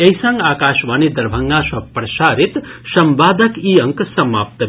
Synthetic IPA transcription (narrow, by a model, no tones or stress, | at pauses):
eɦisaŋɡaːkaːʃʋaːnid̪ɐɾbʱɐŋɡãsɐpɾɐsaːɾit̪sɐmbaːd̪ʱəkiɐŋksɐma̰ːp̚t̪